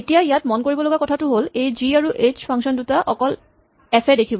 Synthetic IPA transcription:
etijajatmɔnkoɹibɔloɡakɔtʰatʊɦolejziaɹuʔet͡ɕpʰaŋsɔndutaʔɔkɔl | ɛpʰɛdekʰibɔ

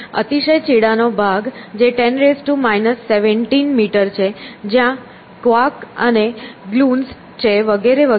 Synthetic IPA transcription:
ət̪iʃəjt͡ʃiɽanobʱaɡd͡ʒeʈɛnɾesʈumajnəsːeʋəɳʈinmiʈəɾt͡ʃʰed͡ʒjã | kʋakəneɡluns | t͡ʃʰeʋəɡeɾeʋə

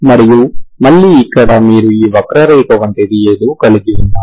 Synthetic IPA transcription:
mɐɾijumɐɭːiːikːɐɽɐmiːɾuiːʋɐkɾɐɾeːkɐʋɐɳʈed̪ieːd̪uukɐliɡiʋunːaː

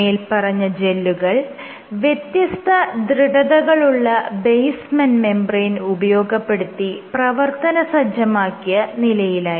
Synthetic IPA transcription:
eːlpɐrɐɲːɐd͡ʑe̞lːuɣɐɭ | ʋjet̪jɐst̪ʰɐd̪ɾiɽɐðɐɣɐɭuɭːɐbejsmɐnme̞mbrɐnubɐjo̞ːɡɐpːe̞ɽut̪ːiprɐʋɐrt̪ɐnɐsɐd͡ʑjɐmaːkːijɐnilɐjilaːji

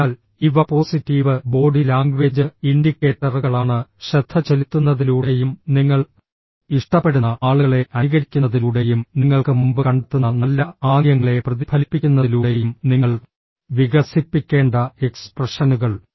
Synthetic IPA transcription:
aːl | iʋɐpo̞ːsitːiːʋɨbo̞ːɖilaːŋɡʋe̞ːd͡ʑɨiɳɖikːe̞ːʈːɐrɣɐɭaːɳɨɕɐt̪ʰːɐt͡ɕelit̪ːunːɐðiluːɽe̞jumniŋːɐɭ | iʂʈɐpːe̞ɽunːɐaːɭuɣɭe̞ʔɐniɣɐɾikʲːunːɐðiluːɽe̞jumniŋːɐɭkɨmumbɨkɐɳɖɐt̪ːunːɐnɐlːɐaːŋjɐŋːɐɭe̞prɐðibʱɐlipːikʲːunːɐiluːɽe̞jumniŋːɐɭ | ʋiɣɐsipːikʲːe̞ːɳɖɐeksprɐʂɐnuɣɐɭ

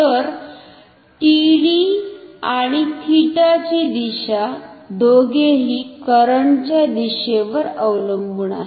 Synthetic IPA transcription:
t̪əɾ | ʈiɽiaɽ̃it̪ʰiʈat͡ɕid̪iɕad̪oɡeɦiːkəɾəɳt͡ɕjad̪iɕeʋəɾəwləmbɳa̰

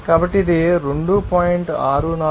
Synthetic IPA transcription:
kaːbɐʈːiɐd̪iɾeɳɖupaːjiɳʈaːɾuna

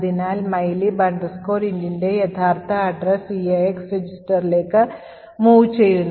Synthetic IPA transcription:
ðinaːlmɐjlibɐɳɖɐsko̞ːɾiɲdinde̞jɐt̪ʰaːrt̪ʰɐːɖrɐsiɐeksred͡ʑisʈɐɾile̞ːkːɨ | muːʋt͡ɕːe̞jːuɳ

